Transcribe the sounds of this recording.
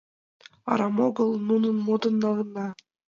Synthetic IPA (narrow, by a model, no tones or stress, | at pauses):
ɑ̰ɾɑmoɡəlˠnununmod̪ɤnːɑʁɯ̆nd̪ɑ